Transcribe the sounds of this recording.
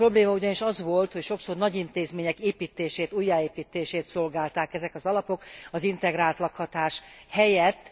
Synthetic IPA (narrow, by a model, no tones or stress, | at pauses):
ro̞bleːmɒuɟɒniʃɒzʋo̞lt̪ho̞cʃo̞ksornɒɟint̪eːzmeːɲɛkeːpiːt̪ːeːʃeːt̪uːjːaːeːpiːt̪ːeːʃeːt̪so̞lɡaːlt̪aːkɛzɛkɒzɒlɒpo̞kɒzint̪ɛɡɾaːlt̪lɒkhɒt̪aːʃ | hɛjɛt̪ː